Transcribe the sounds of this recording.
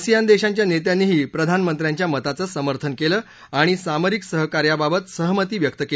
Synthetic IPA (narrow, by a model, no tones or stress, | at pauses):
sijand̪eɕaɲt͡ɕjanet̪janːiːɦiːpɾəd̪ʱanmənt̪ɾjaɲt͡ɕjamət̪at͡səːsəməɾt̪ʰənkeləː | aɽ̃isaməɾiksəɦəkaɾjababət̪səɦmət̪iːʋjək̚t̪əke